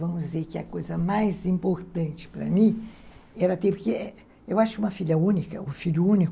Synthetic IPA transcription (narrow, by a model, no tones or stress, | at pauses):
vɐ̃mʊzizeɾkɪɐkojzɐmajzĩmpoɾt̪ɐ̃nt͡ʃɪ̥pɾɐ̰mĩɛɾɐt̪ẽpʊkeɛ | ewaʃʊkɪũmɐfiʎɐũnikɐũfiʎuũnik